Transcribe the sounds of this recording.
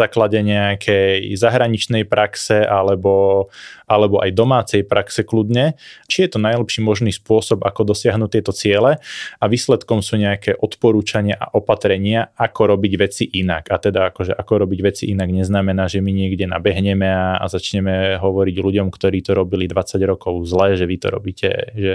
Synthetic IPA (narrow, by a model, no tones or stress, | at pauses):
aːklaɟɛɲɛakʰɛjzaɦɾaɲit͡ʃnɛjpɾaksɛʔalɛbɔʔalɛbɔʔa̰jd̪ɔmaːt͡sɛjpɾaksɛklud̪ɲɛt͡ʃijɛt̪ɔnajlɛpʃiːmɔʒniːspʊɔsɔbakɔd̪ɔsɪaɦnuːt̪ɪɛt̪ɔt͡sɪɛlɛaʋiːslɛt̪kɔmsuːɲɛakɛːʔɔt̪pɔɾuːt͡ʃaɲɪaʔa̰ʔɔpat̪ɾɛɲɪaakɔɾɔbiɟʋɛt͡siʔinakat̪ɛd̪aakɔʒɛʔakɔɾɔbiɟʋɛt͡sḭʔinaɡɲɛznamɛnaːʒɛmiɲɪɛɡɟɛna̰bɛɦɲɛmɛaa̰zat͡ʃɲɛmɛɦɔʋɔɾiɟluɟɔmkt̪ɔɾiːt̪ɔɾɔbilid̪ʋat͡saɟɾɔkɔʊzlɛːʒɛʋit̪ɔ̰ɾɔ̰biːcɛ̰ʒɛ